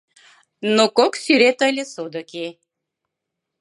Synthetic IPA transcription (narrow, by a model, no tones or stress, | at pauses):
nokoksyɾet̪əlʲesod̪əki